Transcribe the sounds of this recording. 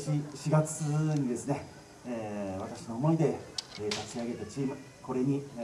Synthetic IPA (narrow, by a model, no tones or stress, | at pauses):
ɕiɕiɡat͡sɨɲ̟id̪e̞sɨne̞ː | βat̪aɕino̞ːmo̞id̪e̞eːt̪at͡ɕiaɡe̞t̪at͡ɕiːmɯ̟ | ko̞ɾe̞ɲ̟i